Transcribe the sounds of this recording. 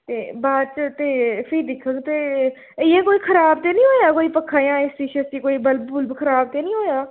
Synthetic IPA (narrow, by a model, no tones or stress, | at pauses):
t̪eːbaːd̪t͡ʃt̪eːpʰɪiːd̪ɪkʰə̃ɡt̪eː | ɪjẽːkoːiːkʰəɾaːb̚t̪eːnĩːɦoːjaːkoːiːpəkʰːaːjãːestiːʃəst̪iːkoːiːbəlbʊlbkʰəɾaːbt̪eːnĩːɦoːjaː